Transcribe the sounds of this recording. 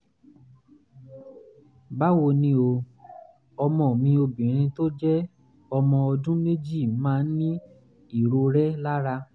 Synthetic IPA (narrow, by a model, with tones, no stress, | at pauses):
ba˦wo˧nĩ˦o˧ | ɔ˧mɔ̃˨mĩ˧o˧bĩ˨ɾ̃ĩ˧to˦d͡ʒɛ˦ | ɔ˧mɔ̃˧ɔ˧dũ˦me˦d͡ʒi˦˨mãː˦˧n̩˦nĩ˦ | i˦˨ɾo˧ɾɛ˦la˦ɾa˧